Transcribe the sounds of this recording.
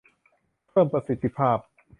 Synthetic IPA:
pʰɤː˥˩mpɾa˧si˨˦t̪ʰːi˧pʰaː˥˩p̚

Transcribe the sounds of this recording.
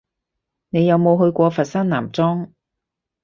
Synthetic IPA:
ne˨˧jɐ˨˧wmo˨˧wɦɵ˧ɥkʷɔː˧fɐ˨t̚sɐ˥nna̰ː˨˩mt͡sɔː˥ŋ

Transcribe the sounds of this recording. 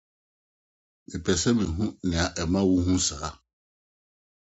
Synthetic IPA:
mɪ̃˨pʰɛ˨sɛ˦mĩ˨ɦũ˦nɪ̃˨a˨ʔɛ˨mã˦wu˦hũ˦saː˨˦

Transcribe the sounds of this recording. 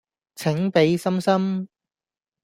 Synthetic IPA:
t͡sʰɪ˨˥ŋpe˨˥jsɐ˥msɐ˥m

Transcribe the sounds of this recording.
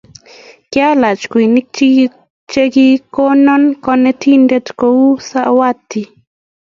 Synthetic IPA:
kɪ˦a˦la˨t͡ʃkwi˨ni˦ | t͡ʃe˦ɡi˦ko˦nɔ˦nkɔ˦nɛ˦tʰi˦nde˦tko˦wu˦sa˦wa˦t̪ːi˨

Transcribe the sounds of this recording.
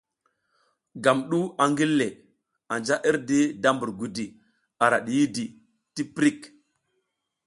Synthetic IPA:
ɡa˨mɗu˦a˨ŋɡi˦lːe˨ | a˨nd͡ʒa˦ʔi˦ɾdi˦da˦mbu˨ɾɡu˨di˨ | a˨ɾa˨ɗi˨ji˦di˨ | ti˦pɾi˦˨k

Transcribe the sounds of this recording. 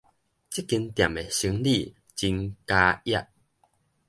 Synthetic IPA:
t͡ɕi˦˥˦kːi˧nt̪ja˨˩me˨˩ɕi˧˦ŋli˥˧˨ | t͡ɕi˧ŋka˧ja˥˧˨ʔ

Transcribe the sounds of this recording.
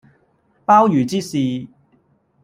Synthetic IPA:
paː˥wjyː˨˩t͡siː˥siː˨

